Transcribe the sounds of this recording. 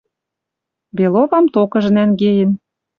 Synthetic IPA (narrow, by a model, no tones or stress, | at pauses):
beloβɑmt̪okɤ̆ʒə̆nænɡejə̆n